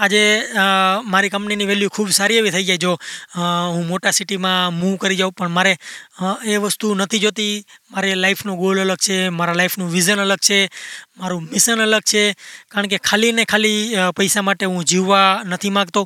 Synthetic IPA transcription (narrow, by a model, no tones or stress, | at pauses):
ad͡ʒe | maɾikə̃mpniniʋɛljukʰubsaɾieʋit̪ʰəid͡ʒjaed͡ʒo | ɦũmoʈasiʈimãmuʋkəɾid͡ʒaũpəɳmaɾe | eʋəst̪unət̪ʰid͡ʒot̪imaɾelaipʰnõɡolələɡ̚t͡ʃʰemaɾalaifʰnũʋiʒənələɡ̚t͡ʃʰemaɾũmɪʃənələɡ̚t͡ʃʰekaɾəɳkekʰalinekʰalipəjsamaʈeɦũd͡ʒiʋːanət̪ʰimãɡt̪o